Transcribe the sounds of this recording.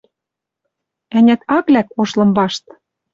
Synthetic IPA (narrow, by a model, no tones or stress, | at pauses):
ænʲæt̪ɑklækoʃlɤ̆mbɑʃt̪